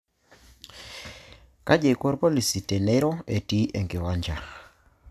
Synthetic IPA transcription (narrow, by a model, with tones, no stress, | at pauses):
ka˦d͡ʒe˨i˨ko˦ɾpo˦li˨si˨tɛ˨ne˦ɾɔ˦e˨ti˦ʔe˨ŋɡɪ˨wa˦ɲd͡ʒa˨